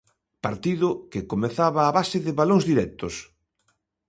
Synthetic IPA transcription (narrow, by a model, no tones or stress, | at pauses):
paɾt̪iðʊkekomeθaβaːβasɪðɪβalõŋzðiɾɛk̚t̪os